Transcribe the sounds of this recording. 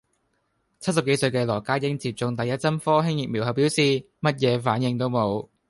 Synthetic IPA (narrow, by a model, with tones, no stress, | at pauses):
t͡sʰɐ˥t̚sɐ˨p̚ke˨˥jsɵ˧ɥkɛː˧lɔː˨˩kaː˥jɪ˥ŋt͡siː˧p̚t͡sʊ˧ŋt̪ɐ˨jɐ˥t̚t͡sɐ˥mfɔː˥ɦɪ˥ŋjɪ˨k̚miː˨˩wɦɐ˨˩wpiː˨˥wsiː˨ | mɐ˥t̚jɛː˨˧faː˨˥njɪ˧ŋt̪o˥wmo˨˧w